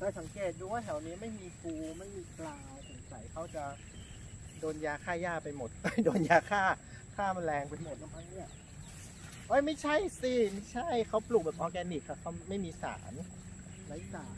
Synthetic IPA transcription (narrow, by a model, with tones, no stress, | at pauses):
t̪ɛː˧˩sa˩˦ŋkeː˨˩t̪̚duː˧waː˥˩t̪ʰɛ˨˩˦wniː˦˥ma˥˩jmiː˧fuː˧ma˥˩jmiː˧klaː˧wso˨˩˦ŋsa˩˦jkʰa˨˦˥wt͡ɕa˨˩ | doː˧njaː˧kʰaː˥˩jaː˥˩pa˧jmo˨˩t̪̚ːa˧˥˩jdoː˧njaː˧kʰaː˥˩ | kʰaː˥˩ma˧nlɛː˧ŋpa˧jmo˨˩t̚na˧mʰpʰa˦˥˩ŋni˥˩ɐ | ʔoː˦˥jma˥˩jt͡ɕʰa˥˩jsiː˧˩ma˥˩jt͡ɕʰa˥˩jkʰa˦˥wplu˨˩bɛː˨˩p̚ʔɔː˧kɛː˧ni˨˩k̪̚ːʰa˧˥˩kʰa˦˥wma˥˩jmiː˧sa̰ː˩˦n | la˨˦˥jsaː˩˦n